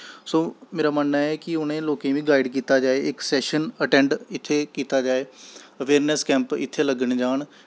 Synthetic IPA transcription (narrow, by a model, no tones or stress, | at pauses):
soːmeːɾaːmənːaːɛːkɪʊnẽːloːkẽːʋĩːɡaːɪɖkiːt̪aːd͡ʒaːeːɪksɛːʃənəʈɛ̃ːɳɖɪt̪ʰːeːkiːt̪aːd͡ʒaːeːəʋeːɾnɛskɛ̃ːmpɪ̰t̪ʰːeːləɡəɳed͡ʒaːɳ